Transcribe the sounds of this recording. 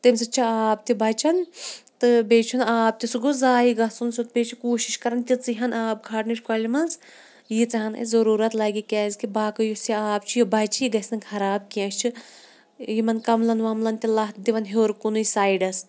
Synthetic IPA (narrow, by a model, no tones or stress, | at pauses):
t̪emʲsɨt͡ʃʰiaːp̚t̪ʲibɐt͡ʃʰɐnt̪ɨbeːt͡ʃʰunaːp̚t̪isuɡuzaːiɡɐsunsut̪̚pʲet͡ʃʰikoːʃiʃkɐɾɐnt̪ʲit͡siɦɐnaːp̚ɡʰʱɐʈnit͡ʃʰʲkɐlʲimɐns | jit͡sɐɦɐnɐ̰zɐɾuːɾɐt̪laːɡʲikʲɛːzʲkibaːkɨjusiaːp̚t͡ʃʰijibɐt͡ʃʰijiɡɐsʲnɐkʰɐɾaːbkiɐ̃ʃʲt͡ʃʰi | jimɐnkɐmlɐnʋɐmlɐnt̪ilɐɦt̪d̪iʋɐnɦoːɾkunuisaːjɖɐs